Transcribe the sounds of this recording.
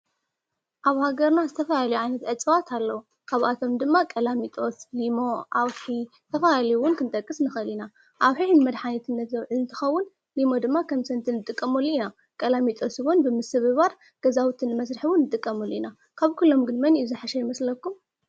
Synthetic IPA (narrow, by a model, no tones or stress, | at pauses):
ʔaβhaɡɐɾnazɨt̪ʰɐfɐlaljuʕajnɐt̪ʕɨt͡sʼɨβat̪ʰalːɐwu | kʰaβʔat̪ʰo̞md̪ɨmːakʼɐlamit̪ʼo̞slimo̞ʔawħi | t̪ʰɐfalaliwʊnkʰɨnt̪ʼɐkʼːɨsnɨxɐlina | ʔaβħiʕnɨmɐd̪ħanɐt̪ʰɨnːɐt̪zɐwʕɨɨnt̪ʰɨ̥xɐwːʊn | limo̞d̪ɨmːakʰɐmsɐnt̪ʰɨnːɨt̪ʼɨkʼːɐmɐluina | kʼɐlamit̪ʼosɨβonbɨmɨsɨβɨβaɾ | ɡ̥ɐzawt̪ʰɨnːɨmɐs̬ɾɨħiwʊnːɨt̪ʼɨkʼːɐmɐluina | kʰaβkʰulːo̞mɡɨnmɐniuzɨħaʃɛjɪmɐslɐkːum